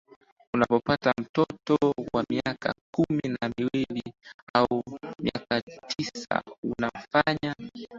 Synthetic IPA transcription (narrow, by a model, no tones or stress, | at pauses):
unapɔpatam̩tɔtɔwamiaka̰kuminamiwiliaumiakatʰisa̰unam̩faɲa